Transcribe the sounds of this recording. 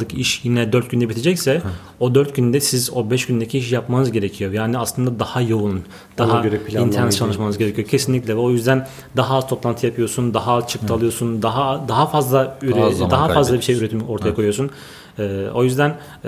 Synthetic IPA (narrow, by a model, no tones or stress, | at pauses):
ɯkʰiʃjinɛd̪øɾt̪̚ɟynd̪ɛbit̪ʰed͡ʒɛcsɛ | o̞d̪øɾt̪̚ɟynd̪ɛsizo̞bɛʃɟynd̪ecʰiiʃjapmanɯzɟe̞ɾecʰijo̞jaːniaslˠɯnd̪ad̪ahajounn | d̪̥aɦaɾɛpint̪ʰɛnt͡ʃʰalˠɯʃmanɯzɡɟe̞ɾecʰijocʰe̞sinlʲicʲlʲɛvɛo̞jyzd̪æn | d̪aɦaːzt̪ʰo̞plˠant̪ʰɯjapʰɯjo̞ɾsund̪aɦat͡ʃʰɯk̚t̪ʰalˠɯjo̞ɾsund̪aɦad̪aɦafazlˠayɾd̪aɦafazlˠabiʃe̞jyɾet̪ʰimo̞ɾt̪ʰajakʰo̞jujosun | ɛːo̞jyzd̪æn